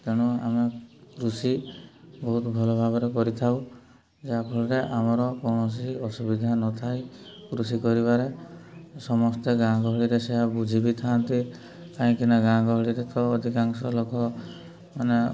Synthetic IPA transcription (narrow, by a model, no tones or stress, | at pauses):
t̪eɽ̃ua̰mekɾusibɔɦut̪bʱɔlɔbʱabɔɾekɔɾit̪ʰaw | d͡ʒakʰɔɭɔɾeʔamɔɾɔkɔɽ̃ɔs̬iɔsubid̪ʱanɔt̪ʰaj | kɾusikɔɾiβaɾe | sɔmɔst̪eɡãɡɔɦɔɭiɾeseɦabud͡ʒʱibit̪ʰant̪i | kaĩkinaɡãɡɔɦɔɭiɾet̪ɔːd̪ʱikaŋsɔlokɔ | mane